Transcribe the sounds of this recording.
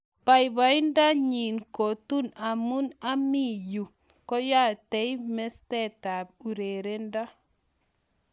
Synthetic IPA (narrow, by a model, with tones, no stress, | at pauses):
pa˨jba˨jnda˦ɲi˨nko˨tu˦na˨mu˦na˦mi˦˨ju˨ | ko˦ja˦te˨jme˦ste˦ta˨b̚u˨ɾe˨ɾe˦nda˦